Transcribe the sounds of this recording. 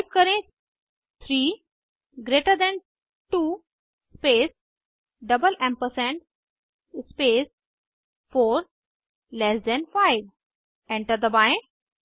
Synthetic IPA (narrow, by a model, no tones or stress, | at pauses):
p̚kəɾẽ | t̪ʰɾiː | ɡɾeʈəɾd̪ɛ̃n | ʈuː | spes | ɖəbəlɛ̃mpəɾsɛ̃ɳʈ | spes | foːɾ | lɛsd̪ɛ̃nfaɪʋ | ɛ̃ɳʈəɾd̪əbãj̃